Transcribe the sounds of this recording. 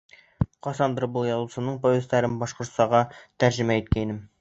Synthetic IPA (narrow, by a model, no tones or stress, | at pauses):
qɒsɑnd̪ɤɾbɤlˠjɒlˠusɤ̆nɤɴpoezt̪æɾɘnbɒʃqŏɾt̪sɑʁɑt̪æɾʑɘ̆mæit̪kæinɘm